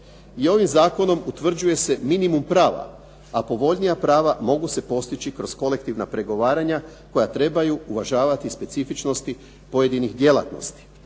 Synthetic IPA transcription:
io̞ʋimzaːko̞no̞mut̪ʋr̩d͡ʑuje̞se̞minimumpɾaːʋa̰ | apo̞ʋo̞ʎnijapɾaːʋamo̞ɡuse̞po̞st̪it͡ʃikɾo̞sko̞le̞kt̪iʋnapɾe̞ɡo̞ʋaːɾaɲa | ko̞jat̪ɾe̞bajuuʋaʒaːʋat̪ispe̞t̪sifit͡ʃno̞st̪i | po̞je̞d̪inixd̪je̞lˠa̰t̪no̞̰st̪i̥

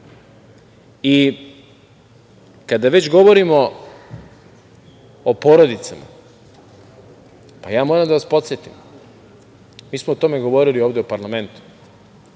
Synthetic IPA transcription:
i | kad̪aʋe̞t͡ɕɡo̞ʋo̞ɾimo̞ | opo̞ɾod̪it̪sama̰ | pa̰jaːmoːɾamd̪aʋaspo̞t̪sjet̪im | miːsmoot̪o̞me̞ɡo̞ʋo̞ɾilio̞ːʋd̪eopaɾlˠame̞nt̪u̥

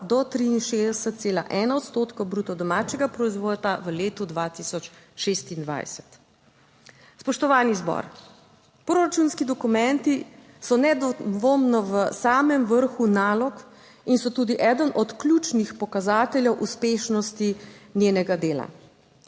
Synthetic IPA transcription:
d̪ɔt̪ɾiinʃeːd̪ɛsət̪̚t̪seːla̰ʔɛːnaɔt̪st̪oːt̪kowbɾuːt̪ɔd̪ɔmaːt͡ʃɛɡapɾɔizʋoːd̪aʋəleːt̪ud̪ʋat̪isɔt͡ʃʃest̪ind̪ʋa̰jsɛ̥t̪ | spɔʃt̪ɔʋaːnizbɔ̰ɾ | pɾoɾat͡ʃuːnskid̪ɔkumɛnt̪i | sɔnɛd̪ʋomnɔʋəsaːmɛmʋəɾxunaːlɔk | insɔt̪uːd̪iʔɛːd̪ənʔɔt̪klʲuːt͡ʃnixpɔkazaːt̪ɛljɛwʔuspeːʃnɔst̪inʲjeːnɛɡad̪eːla̰

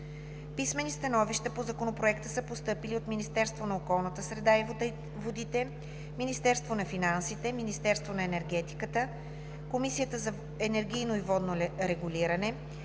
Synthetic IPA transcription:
pismɛnist̪ɐnɔviʃt̪əpozɐkonopɾoɛkt̪əsəpost̪ɤpiliot̪minist̪ɛɾst̪vonɐokɔlˠnət̪əsɾɛd̪ai | vod̪it̪ɛ | minist̪ɛɾst̪vonɐfinansit̪ɛminist̪ɛɾst̪vonɐɛnɛɾɡɛt̪i̥kət̪ə | komisijət̪əzɐ | ɛnɛɾɡ̟ʲijnoivɔd̪noɾɛɡuliɾɐnɛ

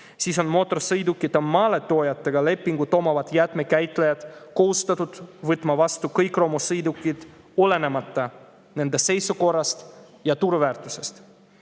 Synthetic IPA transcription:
siːso̞nmo̞t̪ːˑo̞rsɯjd̪ukːˑit̪ːomɑːle̞t̪o̞ːjɑt̪ːe̞ɡ̥ɑle̞pːˑiŋɡ̥ut̪ːo̞mɑvɑt̪jæt̪ˑme̞kæjt̪ˑlejɑd̪̥ko̞ɦust̪ɑt̪ːud̪̥vɨt̪ːˑmɑvɑst̪ukɤjkˑro̞mosɯjd̪ukːˑid̪̥ | ole̞ne̞mɑt̪ːˑɑ | ne̞nd̪e̞se̞jsuko̞rːɑst̪ | jɑt̪uɾvæːɾt̪ˑuse̞st̪

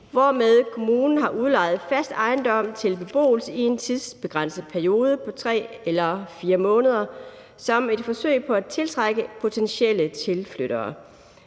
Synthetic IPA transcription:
ʋɒmeð̞ˠkʰo̝muːnn̩ɦɑ̈ʔuðˠlɑ̈ɪð̞̩ˠfæsd̥ɑ̈ɪnd̥ɒ̽m̰t͡sʰe̝lb̥e̝b̥o̝̰ːl̩səie̝nt͡sʰiðˠsb̥e̝ɡ̥ʁan̰səð̩ˠpʰæɐijo̝ːð̞ˠəpʰɒ̽t͡sʰʁɛ̰ːelɐfiːɐmɔ̽ːnəð̞ˠɐ | sɒ̽me̝d̥fɒ̽sø̰ɪ̰pʰɒ̽æt͡sʰe̝lt͡sʰʁɑ̈ɡ̥əpʰo̝t͡sʰenɕel̰ət͡sʰe̝lfløɾ̥ɐː

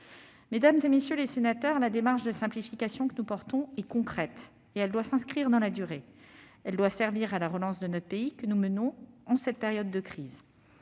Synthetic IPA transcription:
med̪amzemesjølesenat̪œʁlad̪emaʁʃd̪əsɛ̃plifikasjɔ̃kənupɔʁt̪ɔ̃ɛkɔ̃kχɛt̪ | eɛld̪wasɛ̃skχiʁd̪ɑ̃lad̪yʁeɛld̪wasɛʁviʁalaʁəlɑ̃sd̪ənɔt̪χəpeikənumənɔ̃ɑ̃sɛt̪̚peʁjɔd̪ːəkχiːz

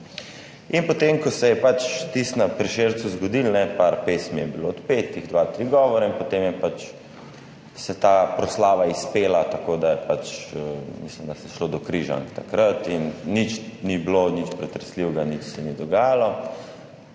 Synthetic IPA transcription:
inpɔt̪emkɔsɛjɛpat͡ʃt̪ist̪napɾiʃeɾt̪suzɡɔd̪ilnɛpaɾpesmijɛbiloːt̪pet̪iɣd̪ʋat̪ɾiɡɔʋɔɾaimpɔt̪emjɛpat͡ʃ | sɛt̪aːpɾɔslaːʋaispeːlat̪akod̪ajɛpat͡ʃəmislimd̪asɛjɛʃlod̪ɔkɾiʒa̰ŋkt̪akɾat̪inːit͡ʃniblonit͡ʃpɾɛt̪ɾɛsliwɡanit͡ʃsɛnid̪ɔɡaːjalɔ

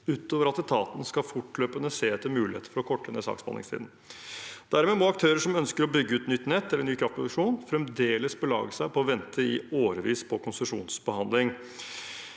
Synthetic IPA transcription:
ʉːt̪oːʋəɾɑt̪ɛt̪ʰɑːt̪nskɑfʊʈløːpənəseːɛt̪ːəmʉːlɪhḛːt̪ə̥fɔɾɔkʰɔʈːənəsɑ̰ksbɑ̰nɪ̰st̪ʰḭd̪n̩ | d̪̥æɾmeːmɔɑk̚t̪ʰøːɾəʂɔmœnskəɾɔbʏɡːəʉːt̪nʏt̪ːnɛt̪ːɛlːəɳyːkʰɾɑft̪pɾɔd̪əʂuːnfɾɛmd̪eːləsbəlɑ̰ːɡəsæɪpɔɔʋɛnt̪ʰəɪoːɾəʋiːspʰɔkʰʊnsəʂṵːnsbəhɑnd̪lɪŋ

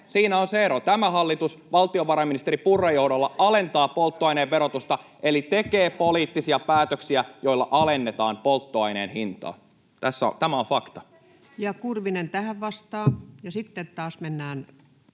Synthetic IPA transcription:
siːnæonseeɾot̪æmæhɑlːit̪usʋɑlt̪ioʋɑɾɑminist̪eɾipurːejo̞hdolːɑɑlent̪ɑːpolt̪ːoɑineːʋʋeɾot̪ust̪ɑʔelit̪ekeːpoliːt̪ːisiɑpæːt̪øksiæjo̞ilːɑʔɑlenːet̪ɑːmpolt̪ːoɑineːnhint̪ɑ̰ː | t̪æsːo̰t̪æmæoɱfɑkt̪ɑ̥ | jɑkurʋinent̪æhæʋʋɑst̪ɑːjɑsit̪ːet̪t̪ɑːsmenːæːn

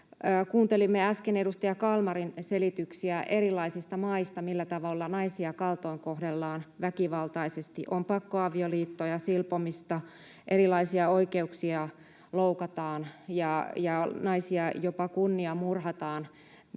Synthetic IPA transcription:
kuːnt̪elimːeɑskenedust̪ɑjɑkɑlmɑrinselit̪yksiæʔerilːˑɑisist̪ɑmɑist̪ɑmilːæt̪ɑʋolːɑnɑisiɑkɑlt̪oiŋkohdelːɑːnʋækiʋɑlt̪ɑisest̪iʔompɑkːoɑʋioliːt̪ːojɑsilpomist̪ɑ | ʔerilˑɑisiɑoikeuksiɑ | loukɑt̪ɑːnjɑjɑnɑisiɑjopɑkunːiɑmurhɑt̪ɑːn

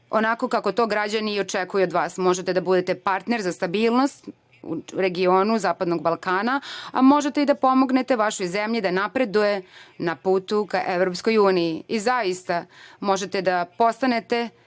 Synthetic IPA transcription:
o̰nako̞kako̞t̪o̞ːɡɾad͡ʑaniːo̞t͡ʃekujuod̪ʋaːsmo̞ʒet̪ed̪abud̪et̪e̞paɾt̪neɾzast̪abiːlˠnost̪ | ṵɾe̞ɡioːnuzaːpad̪noɡ̚balˠkaːnaa̰mo̞ʒet̪eid̪apo̞mo̞ɡne̞t̪e̞ʋaʃojzemʎid̪anapɾe̞d̪uje̞napuːt̪ukaʔeʋɾopsko̞juːnijiizajist̪amo̞ʒe̞t̪ed̪apo̞st̪ane̞t̪e̞

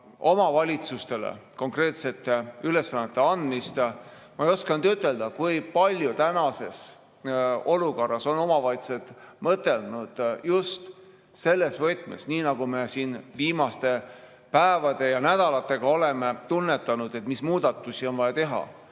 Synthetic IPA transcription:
ʔo̞mɑvɑlʲit̪sust̪e̞lḛko̞ŋkre̞ːt̪se̞t̪ːˑeyle̞sːɑnːet̪ːˑe̞ɑnd̪̥mist̪ | mɑejo̞skɑnd̪yt̪ːˑe̞ld̪̥ɑkujpɑlʲjut̪ænɑse̞s | o̞luko̞rːɑso̞no̞mɑvɑjt̪se̞t̪mɤt̪ːˑe̞lnud̪̥just̪ | se̞lːe̞svɤt̪ˑmḛsniːnɑɡ̥ume̞siːnviːmɑst̪e̞ | pæevɑd̪̥e̞jɑnæd̪̥ɑlɑt̪ːˑe̞ɡ̥ɑo̞le̞me̞t̪unːe̞t̪ːˑɑnud̪̥e̞t̪mismuːd̪ɑt̪ːˑusio̞nvɑjɑt̪e̞ɦɑ̰

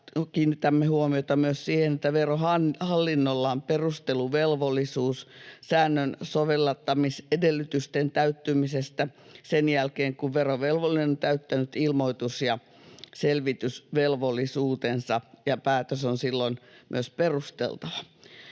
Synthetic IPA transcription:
kiːnːit̪æmːehuomiot̪ɑmyøssiːhenet̪ːæʋerohɑnhɑlːinːolːɑːmperust̪eluʋelʋolˑːisuːssæːnːønsoʋelːɑt̪ːɑmisedelːyt̪yst̪ent̪æyt̪ːymisest̪æsenjælkeːŋkuʋʋeroʋelʋolˑinenont̪æyt̪ːænyt̪ilmoit̪usjɑ | selʋit̪ysʋelʋolːˑisuːt̪ensɑjɑpæːt̪øsonsilːonmʔy̰øsperust̪ḛlt̪ɑʋɑ

